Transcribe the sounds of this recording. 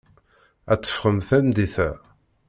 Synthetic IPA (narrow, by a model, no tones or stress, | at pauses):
æt͡sːə̥fχəmθæmd̪iθæ